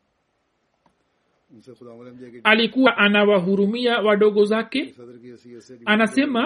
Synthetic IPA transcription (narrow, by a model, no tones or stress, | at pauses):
alikuwaʔanawaɦuɾumiawaɗɔɠɔzakɛ | anasɛma